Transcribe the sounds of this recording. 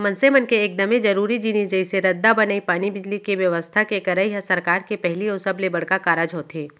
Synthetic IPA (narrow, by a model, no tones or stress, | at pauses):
mɐnsemənkeːk̚d̪ɐmẽd͡ʒɐɾuːɾid͡ʒinid͡ʒɐiseɾɐd̪ːabɐnaipaːnibɪd͡ʒlikeʋjɐʋəst̪ʰakekɐɾəiɦɐsɐɾkaːɾkepɛɦliosɐblebɐɽ̤kakaːɾad͡ʒɦoːt̪ʰɦeː